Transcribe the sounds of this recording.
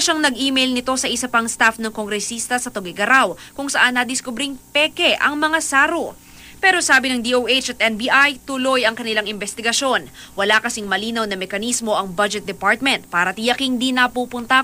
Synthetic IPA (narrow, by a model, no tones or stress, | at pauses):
ʃaŋnɐɡʔiːmɛjlnɪt̪o̞sɐʔɪsɐpɐŋst̪afnɐŋkoŋɡɾɛsist̪ɐsɐt̪oɡɪɡɐɾawkʊŋsɐʔanːɐd̪ɪskʊbɾiŋpɛkɛʔɐ̰ŋmɐŋasaːɾo | pɛːɾo̞saːbɪnɐŋd̪iʔowʔejt͡ʃɐt̪̚ʔɛnbiʔajt̪ʊlo̞jɐŋkɐnɪlaŋɪmbɛst̪ɪɡɐʃo̞n | wɐlakɐsiŋmɐliːnɐwnɐmɛkɐnismo̞ʔɐŋbɐd͡ʒɛt̪̚d̪ɛpaɹt̪̚mɛnt̪̚paːɾɐt̪ijɐkɪnd̪inɐpuːpʊnt̪ɐ